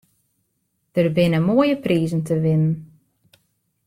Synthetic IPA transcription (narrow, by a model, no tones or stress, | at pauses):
d̥ərbɪnəmoəjəpriːzn̩təʋɪnən̩